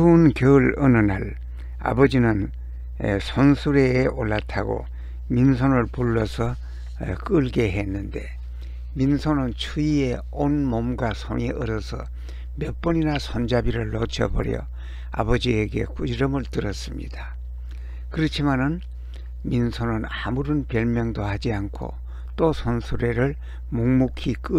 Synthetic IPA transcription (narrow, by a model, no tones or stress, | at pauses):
unkjʌɯɭʌnɯnal | a̰bʌd͡ʑinɯn̰ | sʰonsʰuɾe̞ːʔoɭːatʰaɡo̰ | minsʰonɯɭpuɭːʌsʰʌ | k͈ɯɭɡeɦenːɯnde̞ | minsʰonɯnt͡ɕʰuie̞ | onmomɡwasʰo̰ŋiʔʌɾʌsʰʌ̰ | mjʌp͈ʌɲinasʰond͡ʑabiɾɯɭːʌt͡ɕʰʌ̰bʌ̰ɾjʌ̰ | a̰bʌd͡ʑieɡe̞̰kud͡ʑiɾʌmɯɭtɯɾʌs͈ɯmɲḭd̥a | kɯɾʌt͡ɕʰimanɯn | minsʰonɯnamuɾɯnpjʌɭmjʌŋdohad͡ʑiankʰo̰ | t͈osʰʌnsʰuɾe̞ɾɯɭ | moŋmukʰik͈ɯ